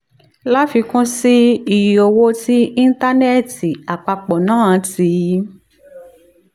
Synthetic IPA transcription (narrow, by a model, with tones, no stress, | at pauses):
la˦fi˧kũ˦si˦i˨ji˨o˧wo˦ti˦ĩ˦n̩˦ta˦nɛ˦˨ti˨a˨k͡pa˧k͡pɔ˨nãː˦˨ti˨˧˦